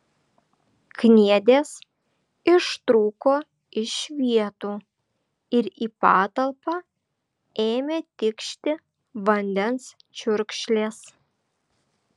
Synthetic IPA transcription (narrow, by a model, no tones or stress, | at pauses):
knʲiɛd̪ʲeːs | ɪʃt̪ɾuːkoː | ɪʃʋʲiɛt̪uː | ɪɾiːpɑːt̪ɐlˠpɑ | eːmʲeːt̪ʲɪkʃʲt̪ʲɪ | ʋɐnʲd̪ʲɛns | t͡ʃʲʊɾʲkʃʲlʲeːs